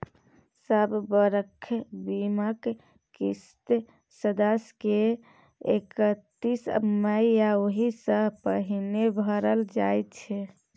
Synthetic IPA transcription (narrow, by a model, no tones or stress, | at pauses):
səbbəɾəkʰːbimək | kist̪ | səd̪əske | ḛkət̪ːisməiaoɦisə̃pəɦinebʱəɾəld͡ʒajt̪t͡ʃʰe